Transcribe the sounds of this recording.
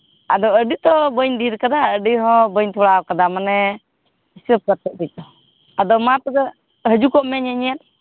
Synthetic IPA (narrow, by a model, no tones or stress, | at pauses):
ad̪ɔəɖit̪ɔbəɲd̪iɾkad̪aəɖiɦɔ̃bəɲt̪ʰuɽakad̪amanɛ | isəp̚kəɾt̪ɔʔ̚bic̚ˀd̪ɔ | ad̪ɔmat̪ɔɡ̪ə | ɦəd͡ʒukɔʔmɛɲɛɲɛjat̪̚